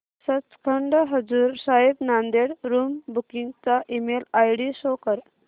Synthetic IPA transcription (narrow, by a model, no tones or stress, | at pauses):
sət͡skʰəɳɖəɦəd͡zuːɾsaɦib̪nand̪eɽɾuːmbukiŋɡt͡saʔimelajɽisokəɾ